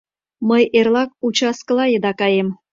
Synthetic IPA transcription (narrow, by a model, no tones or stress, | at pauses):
məjerlɑk̚ut͡ɕɑskə̆lɑjəd̪ɑkɑjem